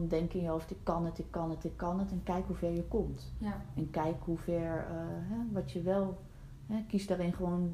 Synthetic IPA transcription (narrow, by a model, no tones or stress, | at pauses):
ndɛŋkənjəɔftɪkːɑnətɪkːɑnətɪkːɑnətɛnkɛjkɦuvɛɹjəkɔmtɛnkɛjkɦuvɛɹɦɛʋɑtjəʋɛlˠ | ɦɛkisdaːɾɪnχəʋoːn